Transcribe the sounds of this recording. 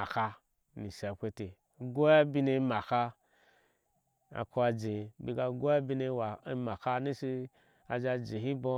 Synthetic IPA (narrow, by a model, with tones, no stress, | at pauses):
a˨ka˧ | ni˨sa˨kʷe˧te˨ | ɡo˦a˦bi˧ne˧˦ma˨ka˧ | a̰˨ku˧˦a˧d͡ʒe˨bi˧ɡa˧ɡʷo˦a˦bi˧ne˧˦wa˨i˧˦ma˨ka˧ni˦si˧ | a˧d͡ʒa˧d͡ʒi˨ɦi˦bo˧